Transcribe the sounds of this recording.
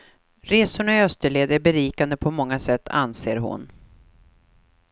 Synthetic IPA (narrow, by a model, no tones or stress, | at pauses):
ɾeːsʊɳaœst̪əɭeːd̪æbɛɾiːkand̪əpʰɔmɔŋːasɛt̪ːa̰nseːɾɦʊ̰n